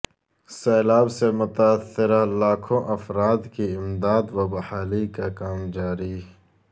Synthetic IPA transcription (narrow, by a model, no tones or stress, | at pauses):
seːlaːbsemʊt̪asːɪɾalaːkʰõʔɐfɾaːd̪kiɪmd̪aːd̪wabɐhaːlikakaːmd͡ʒaːɾi